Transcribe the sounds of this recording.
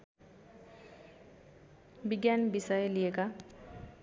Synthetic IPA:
biɡjanbisəjlijeka

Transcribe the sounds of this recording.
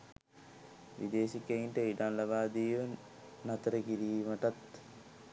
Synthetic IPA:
ʋḭd̪eːʃikeinʈəiɖanlabaːd̪iːʋə | nat̪əɾəkiɾiːməʈat̪

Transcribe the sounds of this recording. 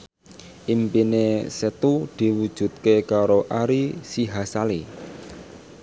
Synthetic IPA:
ʔimpineset̪ud̪̥i̤wud̥ʒ̥ṳt̪̚kekaɾoʔaɾisiɦasali

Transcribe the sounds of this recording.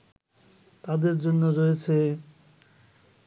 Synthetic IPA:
t̪ad̪eɾd͡ʑonːoɾoet͡ɕʰe

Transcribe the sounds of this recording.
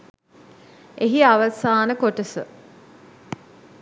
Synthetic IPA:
eɦiaʋəsaːnəkoʈəsə̰

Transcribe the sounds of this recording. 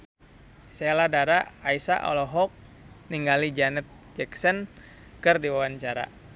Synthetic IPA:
sɛladaɾaːisa̰ʔɔ̰lɔɦɔk̚ | niŋɡalid͡ʒanɛt̪̚ | d͡ʒɛksən | kɨrdiwawaɲt͡ʃaɾa̰

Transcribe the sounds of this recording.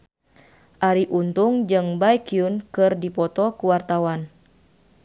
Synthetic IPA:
ʔaɾiʔunt̪uŋd͡ʒɨŋbajkiunkɨrdipɔt̪ɔkuwart̪awan

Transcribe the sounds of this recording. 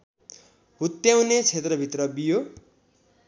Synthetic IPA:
ɦut̪jaw̃net͡sʰet̪rʌbʱit̪rʌbijo

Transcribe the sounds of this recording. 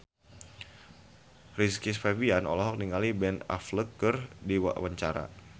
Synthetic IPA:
riskisfɛbianɔ̰lɔɦɔk̚niŋalibɛna̰fləkːərdiwa̰waɲt͡ʃaɾa̰

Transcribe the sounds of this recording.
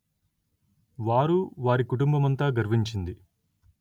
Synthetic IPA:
ʋaːɾuʋaːɾikuʈumbɐmɐnt̪aːɡɐɾʋiɲt͡ʃind̪i

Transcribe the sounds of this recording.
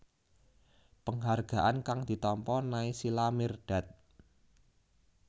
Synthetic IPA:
pəŋɦarɡ̥a̤ʔankaŋd̪̥i̤t̪ɔmpɔnaisilamɪrd̥ä̤t̪̚

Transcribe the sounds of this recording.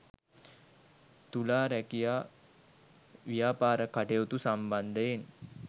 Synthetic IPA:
t̪ulaːɾækijaː | ʋijaːpaːɾəkaʈeut̪usamband̪əen

